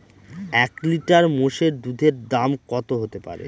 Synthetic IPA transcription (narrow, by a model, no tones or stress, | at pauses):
ɛkliʈaɾmoʃeɾd̪ud̪ʱeɾd̪amkɔt̪oɦot̪epa̰ɾḛ